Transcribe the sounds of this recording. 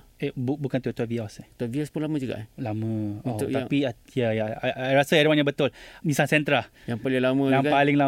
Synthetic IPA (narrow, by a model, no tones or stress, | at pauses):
ebubukant̪ut̪wɔviaset̪ɔviaspʊnlamãd͡ʒuɡa̰ʔlamə̃apiajajaaaɾasaaɾimaɲjãbət̪ʊlmĩsasɛnt̪ɾajaŋpalalamãnãŋkapalɪŋla